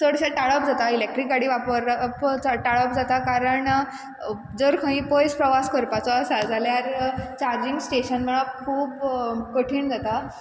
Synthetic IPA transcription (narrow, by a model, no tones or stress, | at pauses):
səɽɕaʈaɭəpd͡zʱat̪ailek̚ʈɾikːaɽiʋapəɾpaʈaɭəpd͡zat̪akaɾəɳ | d͡zəɾkʰə̃ĩpojspɾəʋaskəɾpat͡sɔəsad͡zaljaɾt͡ɕaɾd͡ʑiŋɡsʈeɕənm̤əɭakʰuːpkəʈʰiːɳd͡zat̪a